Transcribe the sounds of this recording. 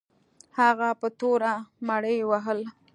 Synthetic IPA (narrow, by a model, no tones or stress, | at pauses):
haɣapət̪oɾamaɽəjwaɦəl